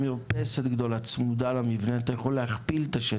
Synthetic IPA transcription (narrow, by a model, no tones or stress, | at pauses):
miʁpeset̪ɡd̪o̞lat͡smud̪alamivneat̪ajaχolːehaχpilt̪aʃe